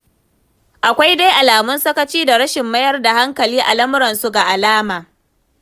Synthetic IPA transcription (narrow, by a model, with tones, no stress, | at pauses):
ʔa˨kʷa˦jda˦jʔa˨laː˨mʊ˦nsɐ˦kɐ˦t͡ʃiː˦da˨ɾɐ˦ʃɪ˨mːɐ˦jɐ˦rda˨ha˦ŋkɐ˨liː˦ʔa˨lɐ˦mʊ˦ɾɐ˨nsu˦ɡa˨ʔa˨laː˦maː˨